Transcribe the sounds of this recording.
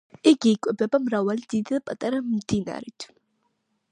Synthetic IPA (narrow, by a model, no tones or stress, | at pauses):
ɪɡejkʷʼʊbɐbɐmrawɐldidɨpʼɐt̪ʼɐɾɐmd̥ina̰ːɾitʰ